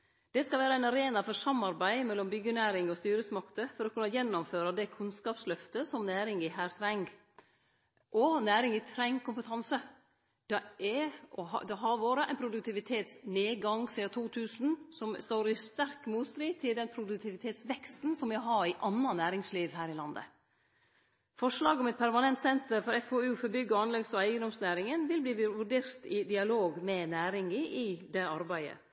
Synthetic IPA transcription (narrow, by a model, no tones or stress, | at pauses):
d̪̥ɛskɑlʋæːɾəæɪnɑɾeːnɑfɔɾsɑmːɑɾbæɪmɛlːɔmbʏɡːənæːɾɪŋɔst̪yːɾəsmɑkt̪əfɔɾɔkʰʉnːɑjɛnːɔmføːɾɑd̪ɛkʰʉnskɑːpslœft̪əsɔmnæːɾɪŋɪɦæːɾt̪ʰɾɛŋɡ | ʔɔnæːɾɪŋɪt̪ʰɾæŋkʰʊmpət̪ʰɑnsə | d̪̥ɛɛɔɦɑ̰d̪ɛɦɑɾʋoːɾəʔæ̰ɪnpʰɾʊd̪ʉk̚t̪ʰɪʋɪt̪ʰeːt̪sneːɡɑŋsiɑt̪ʰuːt̪ʰʉːsn̩sɔmst̪oːɾɪst̪æɾkmuːst̪ɾiːt̪ʰɪld̪ɛnpʰɾʊd̪ʉk̚t̪ʰɪʋɪt̪ʰeːt̪sʋɛkst̪n̩sɔmæɦɑɾɪʔɑnːɑnæːɾɪŋsliːʋɦæːɾɪlɑnd̪ə̰ | fɔʂlɑːɡɔmɛt̪̚pʰæɾmɑnɛnt̪sɛnt̪əɾfɔɾɛfoːʉːfɔɾbʏɡːəɑnlɛɡsɔæɪɡənd̪ɔmsnæːɾɪŋənʋɪlbliːʋʉɾɖeːɾt̪ɪd̪ɪɑloːɡmɛnæːɾɪŋɪʔɪd̪ɛɑɾbæɪə̰